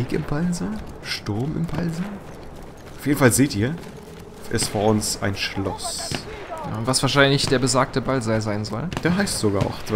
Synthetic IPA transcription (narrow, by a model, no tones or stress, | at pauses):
iːkɪ̰mpʰalzəʃtʊɐmɪ̰mpʰalzə | ʔʊfjeːdn̩falzeːtʔiːɐ | ʔɛstfoːɐʔʊnsa̰ɪnʃlɔ̰s | ja̰ʊntv̥asv̥aɐʃaɪnlɪçd̥eːɐbəzaːk̚təbalzalzaɪnzɔld̥eːɐɦaɪstz̥oɡaːɐʔa̰ʊxd